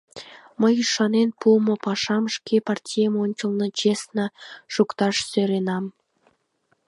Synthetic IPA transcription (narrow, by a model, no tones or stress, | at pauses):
məjyʃɑnenpumopɑʃɑmʃkepɑrtʲijəmonʲt͡ɕəlˠnə̆t͡ɕesnə̆ʃukt̪ɑʃsøɾenɑm